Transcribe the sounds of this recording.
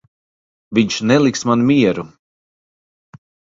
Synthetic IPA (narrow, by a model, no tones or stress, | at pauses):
viɲʃnɛlˠiksmanumʲiɛɾu